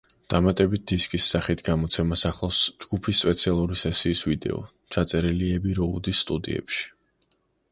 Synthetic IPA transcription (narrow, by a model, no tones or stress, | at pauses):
d̪̥amat̪ʼɛbit̪̚d̪iskʼisːaχit̪ʰɡamɔt̪sʰɛmasaχlˠɔsd͡ʒɡupʰispʼɛt̪sʰialˠuɾisɛsiːsvid̪ɛ̰ɔ̰ | t͡ʃʰat̪sʼɛɾɛliɛbiɾɔud̪isːt̪ʼud̪ḭɛ̰pʃi̥